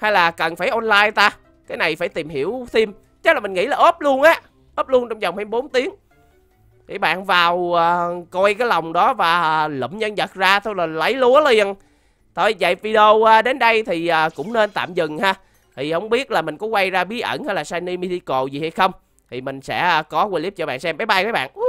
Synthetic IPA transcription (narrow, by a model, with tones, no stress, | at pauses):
ha˧jlaː˨˩kə˨˩nfaː˧˩jʔɔ˧nlaː˧jt̪aː˧ | kaː˨˦jna˨˩jfaː˧˩jt̪i˨˩mhi˧˩əwt̪i˧m | t͡ɕə˦˥la˨˩ï̟˨˩ŋḭ˧˥laː˨˩ʔəː˦˥p̚lu˧ənʔaː˨˦ | ʔəː˦˥p̚lu˧ənt͡ɕɔ˧wŋ͡mzə˨˩wŋ͡mha˧ɓo˨˦nt̪i˨˦əŋ | kḭ˧˩ɓa̰ː˧˨nvaː˨˩wəː˨˩kɔ˧jkaː˨˦jla˨˩wŋ͡mɗɔ˨˦vaː˨˩lə̰˧˨mɲə˧nzə˨˩t̚zaː˧t̪ʰo˧laː˨˩lə˨˦jlu˨˦əli˧˨ən | t̪ʰo˧˨˩jza̰˧˨jvi˧ɗo˧əː˨˧ɗe˨˦nɗə˧jt̪ʰi˨˩ʔaː˨˩kʊ̰˧˥ŋ͡mne˧nt̪a̰ː˧˨mzɨ˨˩ŋhaː˧ | t̪ʰi˨˩hə˧wŋ͡mɓi˦˥ət̚laː˨˩mï˨˩ŋ̟kɔ˨˦kwa˧jzaː˧ɓi˨˦əʔə̰˧˩nhaː˧jlaː˨˩saː˧jni˧mi˧zi˧ko˨˩zi˨˩ha˧jxə˧wŋ͡m | t̪ʰi˨˩mï˨˩ŋ̟sɛ̰˧˥˧kɔ˨˦kwe˧li˦˥p̚t͡ɕɔ˧ɓa̰ː˧˨nsɛ˧mɓaː˨˦jɓa˧jkaː˨˦jɓa̰ː˧˨nʔ